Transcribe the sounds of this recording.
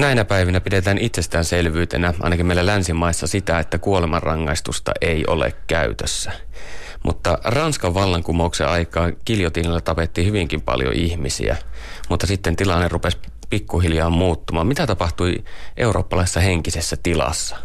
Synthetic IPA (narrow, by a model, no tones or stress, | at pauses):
næinæpæiʋinæpidet̪æːnit̪sest̪æːnselʋyːt̪ḛnæɑ̰ˑnɑkimeˑilælænsimɑisːɑsit̪æet̪ːækuolemɑrɑŋːɑ̰ist̪ust̪ɑ̰ʔeio̰lḛkkæy̰t̪øsːæ | mṵt̪ːɑrɑnskɑʋʋɑlːɑŋkumouksḛɑikɑːkiljot̪iːlilːæt̪ɑpet̪ːihyʋiŋkimpɑ̰ljo̰ʔihmisḭæ̰ | mut̪ːɑsit̪ːent̪ilɑnːerupes | pikːuɦiljɑːmmuːt̪ːumɑːmmit̪æt̪ɑpɑht̪uiʔe̞uro̞̰ːpːɑlɑˑisesːɑheŋkisesːæt̪ilɑ̰sːɑ̥